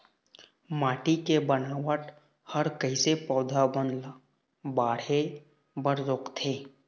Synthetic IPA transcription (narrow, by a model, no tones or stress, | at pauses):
maːʈikebənaːʋəʈ | həɾkəɦisepɔːd̪ʱabənl | baːɽe | bəɾɾoːkt̪ʰeː